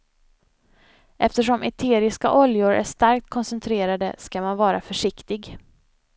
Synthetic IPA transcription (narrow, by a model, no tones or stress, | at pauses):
ʔɛft̪əʂɔmɛt̪ʰeːɾɪska̰ʔɔljʊɾʔæ̰ʂt̪aɾk̚t̪̚kʰɔnsɛnt̪ʰɾeːɾad̪əskamanvɑːɾafœʂɪkt̪ɪɡ